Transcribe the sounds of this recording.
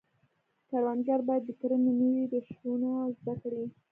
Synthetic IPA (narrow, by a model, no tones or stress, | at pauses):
kaɾwanɡaɾbɑjad̪ːəkəɾənenəwid̪əʃtunozd̪akɽi